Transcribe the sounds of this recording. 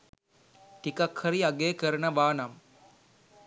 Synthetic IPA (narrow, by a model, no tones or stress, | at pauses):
ʈikɐkʰhɐɾiɐɡeːkəɾɐnɐʋaːnɐm